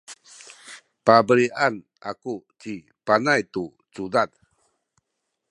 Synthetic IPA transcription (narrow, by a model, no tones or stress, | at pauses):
pabəɾiʔan | a̰kut͡ɕi | panajt̪u | t͡sudad̚